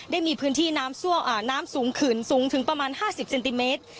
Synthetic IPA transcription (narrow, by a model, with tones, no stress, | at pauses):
daː˥˩jmiː˧pʰɯː˦˥nt̪ʰiː˥˩naː˦˥msu˥˩əŋʔaː˧˩naː˦˥msuː˩˦ŋkʰɯː˨˩nsuː˩˦ŋt̪ʰɯ˩˦ŋpɾa˧maː˧nhaː˥˩si˨˩p̚se˧nt̪i˧meː˦˥t̪̚